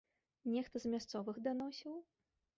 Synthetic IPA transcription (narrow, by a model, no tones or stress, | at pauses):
nʲɛxt̪ɐzmʲast̪sɔvɨxd̪anɔsʲiw